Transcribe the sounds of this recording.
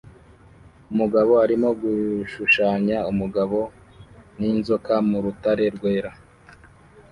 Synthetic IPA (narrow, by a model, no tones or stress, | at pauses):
umuɡaβo̞aɾimo̞ɡuʃuʃaːɲaumuɡaβo̞ | ninzokamuɾutaɾe̞ɾɡwe̞ːɾa